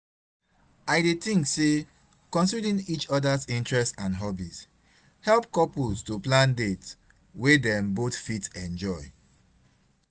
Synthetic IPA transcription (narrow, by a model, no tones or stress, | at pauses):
ajdet̪ĩŋkse | kɔ̃nsidĩnit͡ʃɔdazĩntɹɛstãnɦɔbis | hɛlpkɔpustuplãndet | wedɛ̃mboθfitɛ̃nd͡ʒɔɪ